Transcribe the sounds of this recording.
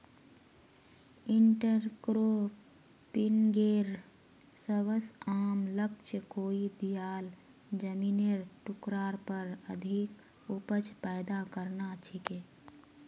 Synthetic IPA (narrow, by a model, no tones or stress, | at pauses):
ɪɳʈəɾkɾo | pɪnɡeːɾ | səwəsaːmləkt͡ʃkoːid̪ijaːl | d͡ʒəmiːneɾʈʊkɾaːɾpəɾəd̪ʱik | ʊpət͡ʃpɛɪd̪akəɾnat͡ʃʰikeː